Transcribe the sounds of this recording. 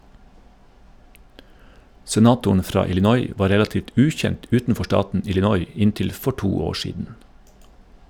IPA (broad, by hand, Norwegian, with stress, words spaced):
sɛˈnɑːtʊɳ ˈfɾɑː ɪlɪˈnɔʏ ˈʋɑː ˈɾɛlɑtiːʋt ˈʉːçɛnt ˈʉːtn̩ˌfɔ ˈʃʈɑːtn̩ ɪlɪˈnɔʏ ˈɪntɪl ˈfɔ ˈʈuː ˈoː ˈʃiːdn̩